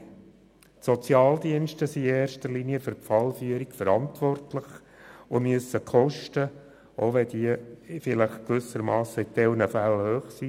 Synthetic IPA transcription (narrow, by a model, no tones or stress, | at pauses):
sɔt͡sjɑːldiənʃtəsiɛeːrʃtərliniəfʏrpfɑlfyəɾikfəɾɑntʋɔrtlɪχ | ʊmyəsəkχɔʃtə | ʔoʋɛd̥̪iːfɪləχkʋʏsəɾmɑːsəɪt̪ɛlnəfælhøːχsi